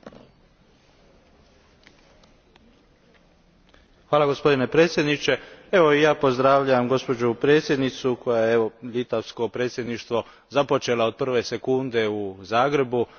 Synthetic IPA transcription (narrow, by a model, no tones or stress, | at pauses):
xʋaːlaɡo̞spo̞d̪ine̞pɾe̞ːt̪sʲje̞d̪nit͡ʃe̞e̞ʋo̞ijaːpo̞zd̪ɾaːʋʎaʋamɡo̞spo̞d͡ʒupɾeːt̪sje̞d̪nit̪suko̞jajeeʋo̞ʎit̪aʋsko̞pɾeːt̪sjed̪niʃt̪ʋo̞ | zapo̞t͡ʃe̞lao̞d̪̚pr̩ʋe̞se̞kund̪e̞uzaːɡɾe̞bu